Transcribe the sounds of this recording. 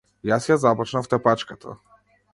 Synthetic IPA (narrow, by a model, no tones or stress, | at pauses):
jasjazapɔt͡ʃnaft̪ɛpat͡ʃkat̪ʰa̰